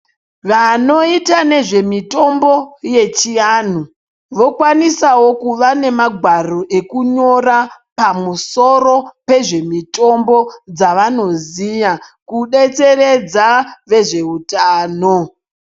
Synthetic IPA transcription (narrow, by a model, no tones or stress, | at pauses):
ʋano̞itane̞ʐe̞mito̞mbo̞je̞t͡ʃijan̤u | ʋo̞kwanisawo̞kuʋane̞maɡʱwaro̞ʔe̞kuɲo̞ra | pamuso̞ro̞pe̞ʐe̞mito̞mbo̞d͡zaʋano̞zijakuɗe̞t͡se̞ɾe̞d͡zaʋe̞ʐe̞utaːno